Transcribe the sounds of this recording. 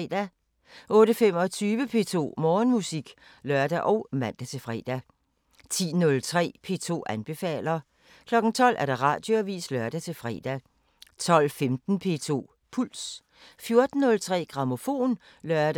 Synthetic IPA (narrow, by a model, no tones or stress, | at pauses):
ɛd̥æ | ʔɔ̽ːɾəfem̰ɒt͡sʰyːʋəpʰe̝̰ːt͡sʰo̝̰ːmɒːnmusiɡ̥ | lɶɐd̥æʔɒ̽ʊmæn̰d̥æt͡sʰe̝fʁɛ̰ːd̥æ | t͡sʰḭːnɔ̽lt͡sʰʁɛ̰ːpʰe̝ːt͡sʰo̝̰ːʔænb̥e̝fɛ̰ːlɐ | kʰlɒ̽ɡ̥n̩t͡sʰɒ̽l̰ʔæɐɾ̥ʁɑ̈ːd̥jo̝æʋḭːslɶɐd̥æt͡sʰe̝lfʁɛ̰ːd̥æ | t͡sʰɒ̽l̰femd̥n̩pʰe̝ːt͡sʰo̝̰ː | pʰul̰s | fjo̝ɐd̥n̩ːɔ̽lt͡sʰʁɛ̰ːɡ̥ʁɑ̈mo̝fo̝̰ːn | lɶɐd̥